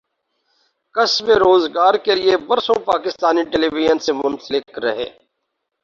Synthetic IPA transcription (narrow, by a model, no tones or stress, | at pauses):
kəsmeɾoːzɡaːɾkelɪebəɾsõpaːkɪst̪aːniʈeːliːʋɪʒənsemʊnsəlɪkɾəɦḛː